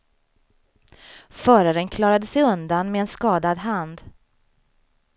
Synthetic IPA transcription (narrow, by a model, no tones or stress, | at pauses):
fœːɾaɾənkʰlɑːɾad̪əsɛjɵnd̪anmeɛnskɑːd̪ad̪ɦand̪